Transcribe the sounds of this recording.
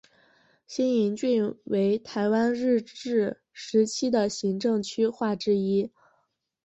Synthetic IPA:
ɕjɛ˥ni˧˥nt͡ɕy˥˩nwe˧˥ɪt̪ʰa˧˥ɪwa˥nɻɻ̩˥˧ʈ͡ʂɻ̩˥˩ | ʂɻ̩˧˥t͡ɕʰi˥d̪ə˨ɕi˧˥ŋʈ͡ʂɤ˥˩ŋt͡ɕʰy˥xwa˥˩ʈ͡ʂɻ̩˥i˥

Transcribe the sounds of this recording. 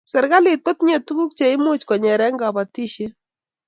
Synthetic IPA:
sɛ˨ɾɣa˦li˨t̚ko˦tɲe˨tu˦ɡu˦k̚t͡ʃe˨˦ɪ˦mʊ˦t͡ʃkɔ˨ɲɛ˨ɾɛ˦ŋɡa˨ba˨ti˦ʃe˦

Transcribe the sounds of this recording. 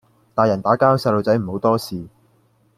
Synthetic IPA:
t̪aː˨˧jɐ˨˩nt̪aː˨˥kaː˥ɐ˧˥wsɐ˧jlo˧wt͡sɐ˨˥jm̩˨˩ho˨˧˥wt̪ɔː˥siː˨

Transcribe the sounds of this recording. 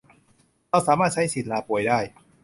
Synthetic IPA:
ɾa˧˩wsaː˨˦maː˥˩t̪̚t͡ɕa˦˥jsi˨˩t̪̚laː˧pu˨˩əjdaː˥˩j

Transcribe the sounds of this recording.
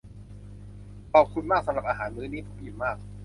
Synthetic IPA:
pɔː˨˩p̚kʰu˧nmaː˥˩k̚sa˩˦ɾa˨˩p̚ʔaː˧ɦaː˩˦nmɯː˦˥niː˥˩p̪ʰo˨˦˥k̚ji˨˩nmaː˥˩k̚

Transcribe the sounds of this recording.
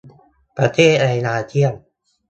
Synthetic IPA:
pɾa˧t̪ʰeː˥˩t̪̚ɾa˧jnaː˧t̪ʰi˥˩ən

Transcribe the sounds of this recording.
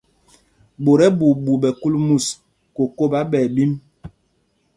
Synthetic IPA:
bo˨ɾɛ˦bu˨bu˨ɓɛ˨ku˦lmu˦˨s | ko˨ko˦˨ba˦ɓɛ˨bi˦m

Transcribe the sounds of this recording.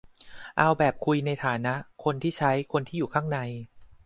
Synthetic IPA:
ʔa˧wbɛː˨˩p̚kʰu˧jna˧jt̪ʰaː˩˦na˦˥ʔkʰo˧nt̪ʰiː˥˩t͡ɕʰa˦˥jkʰo˧nt̪ʰiː˥˩juː˨˩kʰaː˥˩ŋna˧j

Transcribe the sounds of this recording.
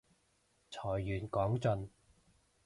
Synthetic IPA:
t͡sʰɔː˨˩jːyː˨˩nkɔː˨˥ŋt͡sɵ˧n

